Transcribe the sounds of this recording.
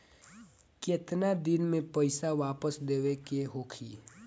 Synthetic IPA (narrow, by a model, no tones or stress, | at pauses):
keːt̪nad̪ɪnmẽpəɪsaʋaːpəsd̪eːʋekeɦoːkʰiː